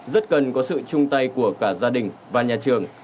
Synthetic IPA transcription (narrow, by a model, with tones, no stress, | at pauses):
zə˦˥t̚kə˨˩nkɔ˨˦sɨ̰˧˨t͡ɕʊ˧ŋ͡mt̪a˧jku˧˩əkaː˧˩zaː˧ɗï˨˩ŋ̟vaː˨˩ɲaː˨˩t͡ɕɨ˨˩əŋ